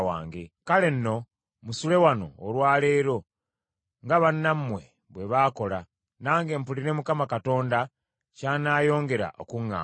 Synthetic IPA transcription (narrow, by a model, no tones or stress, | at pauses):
wa̰ːŋɡe̞̰kale̞nːo̞ | musule̞wano̞̰ːlwaːle̞ːɾo̞ | ŋɡaβanːammwe̞ | βwe̞βaːko̞la | naːŋɡe̞ːmpuliɾe̞mukamakato̞ːnda | caːnaːjo̞ːŋɡe̞ɾa̰ʔokuŋːa̰ː